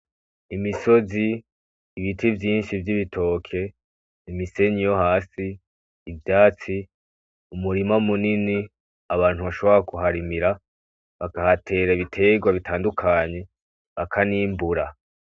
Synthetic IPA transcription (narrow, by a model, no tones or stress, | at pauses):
imiso̞ziː | βitʰivjiːnʃivjiβitʰo̞ːkʰe̞ | imise̞ɲijo̞haːsiː | vjaːt͡si | umuɾimamunini | aβaːn̥huβaʃo̞βoɾakuɦaɾimiɾa | βakahatʰe̞ːɾaβitʰe̞ɡwaβitʰaːndukʰaɲe̞ | βakʰaniːmbuɾa